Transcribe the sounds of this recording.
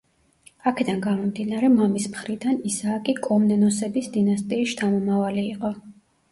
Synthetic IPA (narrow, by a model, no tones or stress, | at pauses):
akʰɛd̪anɡamɔmd̪inaɾɛmamismχɾid̪anisaːkʼikʼɔmnɛnɔsɛbisd̪inast̪ʼiːst͡ʃ̪ʰamɔmavaliːqʼɔ